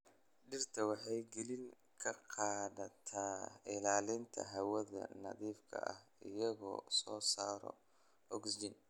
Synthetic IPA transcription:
ɖɪrt̪ʰɐwɑħɑjɡɛlɪŋ | kʰɐqɑːðɐt̪ʰaːɪlaːlɪnt̪ʰɐ̰ɦɐwɐðɐ̰nɐðiːfkʰɐ̰ʔɐ̰hɪjɐɣɔ̰ːsɔːsaːɾɔ̰ | ɔɡsd͡ʒɪn

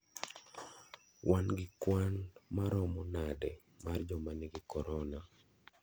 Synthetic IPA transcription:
wanɡɪkwanmaɾɔmɔnadɛ | mard͡ʒɔmanɪɡɪkɔɾɔna

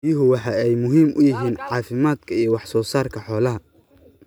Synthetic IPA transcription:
jʊɦʊwɑħɑɛjmʊɦiːmʔʊjɪɦiːnʕɑːfɪmaːd̪kʰɐijɔwɑħsɔːsaːrkʰɐħɔːlɐɦɐ

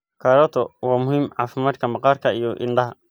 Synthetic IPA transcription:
kʰaɾɔt̪ʰɔwaːmʊhimʕa̰ːfɪmaːt̪kʰɐmɑqɑːɾkʰɐijɔʔɪ̰ɳɖɐɦɐ

